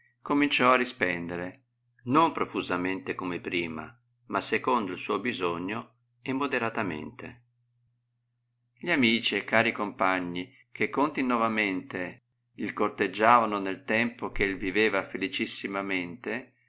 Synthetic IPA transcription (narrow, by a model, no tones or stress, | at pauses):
komint͡ʃɔarːispɛnd̪eɾe | nompɾofuzament̪ekomepɾiːma̰ | masːekond̪oilsuːbizoɲːo | ɛmːod̪eɾat̪amḛnt̪ḛ | ʎamiːt͡ʃiekːaːɾikompaɲːi | k̟ekːont̪inːɔvament̪e | ilkort̪ed͡ʒːaːvanonelt̪ɛmpokelviveːvafelit͡ʃisːimament̪e